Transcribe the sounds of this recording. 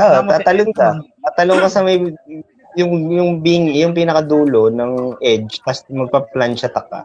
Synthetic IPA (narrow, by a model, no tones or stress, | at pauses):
oamat̪ɐloŋkɐ | ɐt̪ɐloŋkɐsɐmɐj | jʊŋjʊŋbɪŋjʊŋpinɐkɐd̪uːlo̞nɐŋʔɛd͡ʒt̪ɐsmɐɡ̚pɐplanʃɐt̪ɐk̚a̰